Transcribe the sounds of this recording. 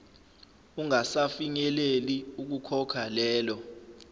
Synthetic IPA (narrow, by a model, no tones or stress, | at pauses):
uŋasafiɲɛleliuk̬ukʰɔkʰalɛːlɔ